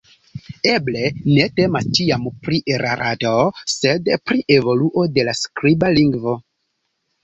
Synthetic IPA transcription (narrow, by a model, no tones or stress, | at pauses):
e̞ble̞ne̞te̞mast͡ʃiampɾiʔeɾʔaɾʔatose̞dpɾiʔe̞vo̞luʔo̞delaskɾibaliŋɡvo̞